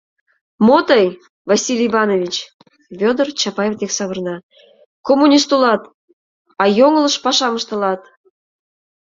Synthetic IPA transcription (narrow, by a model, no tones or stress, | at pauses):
mot̪əj | vɑsʲilʲiβɑnovʲit͡ɕ | fʲod̪ərt͡ɕɑpɑjet̪eksɑβərnɑ | komːunʲist̪ulɑt̪ | ɑjoŋələʃpɑʃɑməʃt̪əlɑt̪